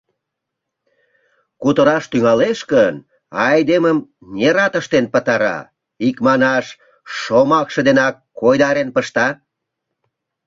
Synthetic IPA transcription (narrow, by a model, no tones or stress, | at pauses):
kut̪əɾɑʃt̪yŋɑleʃkən | ɑjd̪eməmnʲeɾɑt̪əʃt̪enpət̪ɑɾɑ̰ | ikmɑnɑʃ | ʃomɑkʃə̆d̪enɑkːojd̪ɑɾenpəʃt̪ɑ